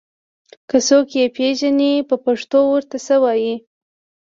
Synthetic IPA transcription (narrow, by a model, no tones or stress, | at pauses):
kəsokjepeʒanipəpaʂt̪owəɾt̪asəwɑji